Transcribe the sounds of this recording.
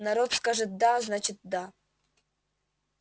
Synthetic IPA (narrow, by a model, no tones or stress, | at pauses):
naɾot̪skaʐɨt̪̚d̪aznat͡ɕɪt̪̚d̪a